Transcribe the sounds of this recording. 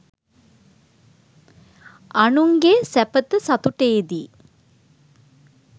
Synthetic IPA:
anuŋɡesæpət̪əsat̪uʈeːd̪i

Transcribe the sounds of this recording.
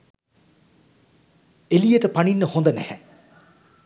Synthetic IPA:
elijəʈəpaninːəhond̪ənæ̰hɛ̰

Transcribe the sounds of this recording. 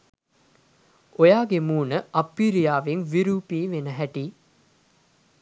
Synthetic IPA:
ojaːɡemuːnəʔɐpːiːɾijaːʋeŋʋiɾuːpiːʋenəɦæʈiː

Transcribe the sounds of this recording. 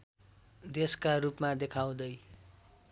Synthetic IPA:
d̪eskaɾupmad̪ekʰaw̃d̪ʌj

